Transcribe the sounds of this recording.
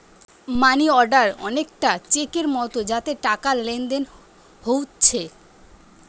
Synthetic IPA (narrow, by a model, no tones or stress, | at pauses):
maniɔɾɖaɾɔ̰nek̚ʈat͡ɕekeɾmɔt̪od͡ʑat̪eʈakalend̪en | howtːt͡ɕʰe